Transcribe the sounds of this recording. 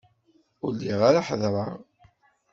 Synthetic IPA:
ʊlːiʁaɾaħəðɾˤɑ

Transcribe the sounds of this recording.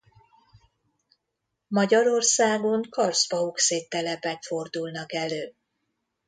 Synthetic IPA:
mɒɟɒɾo̞rsaːɡo̞ŋkɒrsbɒukseːt̪ːɛlɛpɛkfo̞rd̪ulnɒkɛløː

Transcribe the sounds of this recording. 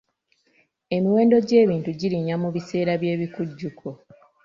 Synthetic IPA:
e̞miwe̞ːndo̞ɟe̞ːβiːntuɟiɾiɲamuβise̞ːɾaβje̞ːβikuɟːukʰo

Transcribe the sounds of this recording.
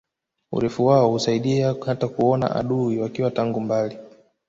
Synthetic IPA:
ṵɾɛfuwaɔhusaiɗiahatakuɔna̰ʔa̰ɗuiwakiwataŋɡumbali

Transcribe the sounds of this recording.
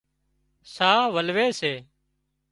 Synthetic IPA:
saːʋəlʋeːseː

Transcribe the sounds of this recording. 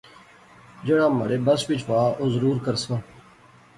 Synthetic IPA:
d͡ʒeːɽãːmə̰ɾeːbəsʋɪt͡ʃʋaːʔoːzəɾuːɾkəɾsãː

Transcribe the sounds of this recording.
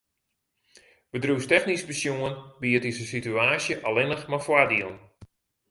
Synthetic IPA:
ʋədrustɛxnisbəsjuənbiətisəsityaːsjəʔalɪnəxmafwadiəlˠn

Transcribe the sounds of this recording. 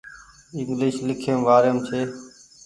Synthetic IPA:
ɪŋɡlɪːʃlɪkʰẽːʋaːɾjəmt͡ʃʰeː

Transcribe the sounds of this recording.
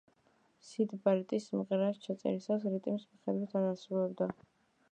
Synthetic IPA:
sid̪baɾit̪ʼismʁɾast͡ʃʰat̪sʼɛ̰ɾisasɾit̪ʼimismiχɛd̪wit̪ʰaɾasuvɛbd̪a

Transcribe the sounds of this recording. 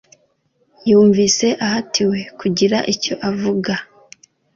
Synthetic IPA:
juːɱvise̞ʔahatʰiwe̞kuɟiɾaʔico̞ʔavuɡa

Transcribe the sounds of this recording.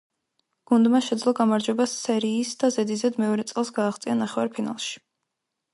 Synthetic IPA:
ɡ̥und̪maʃɛd̪zlˠɔɡamaɾd͡ʒwɛbasːɛɾiːsd̪azɛd̪izɛd̪mɛɔɾɛt̪sʼɛlˠsɡaːχt̪sʼianaχɛwaɾpʰina̰lˠʃi̥

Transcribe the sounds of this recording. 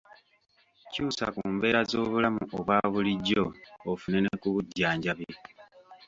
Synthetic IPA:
cuːsa̰kuːmbe̞ːɾazo̞ːβulamuʔoβwaːβuliɟːo̞ːfunenekuβuɟːaːɲɟaβje

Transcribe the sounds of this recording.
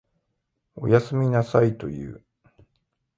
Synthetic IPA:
o̞̰jasɨmʲinasait̪o̞̰jɯ̟̰ː

